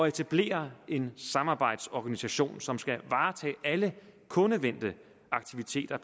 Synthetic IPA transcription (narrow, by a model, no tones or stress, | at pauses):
ɒ̽e̝t͡sʰæb̥le̝̰ːɐe̝nsɑ̈mɑ̈ːb̥ɑ̈ɪ̰d̥sɒɡ̥ænisæɕo̝̰ːnsɒ̽msɡ̥æʋɑ̈ːt͡sʰɛ̰ːʔæləkʰɔ̽nəʋen̰d̥ə | ɑ̈ɡ̥t͡sʰiʋit͡sʰe̝̰ːd̥ɐ